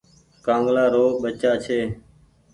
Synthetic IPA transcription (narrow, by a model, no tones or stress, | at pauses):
kãːŋɡlaːɾoːɓət͡ʃaːt͡ʃʰeː